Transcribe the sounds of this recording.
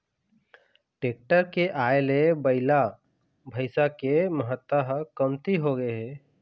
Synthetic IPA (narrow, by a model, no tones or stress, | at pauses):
ʈeːk̚ʈəɾkeʔaːelebəɪla | bʱəɪsakeməɦət̪ːəɦkəmt̪iɦoɡəeɦɛ